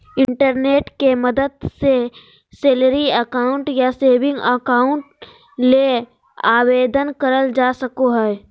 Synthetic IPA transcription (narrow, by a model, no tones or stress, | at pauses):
ɪ̃ɳʈəɾneːʈkemɐd̪əd̪se | seːləɾiəkaːʊ̃ɳʈjaseːʋɪ̃ŋɡəkaːʊɳʈ | le | aːweːd̪ənkəɾəld͡ʒaːsəkoɦɛː